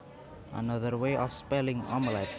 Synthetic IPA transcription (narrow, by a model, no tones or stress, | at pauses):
ʔa̰nʌðərweʔɔfspɛlɪ̃ŋɔmlajt̪̚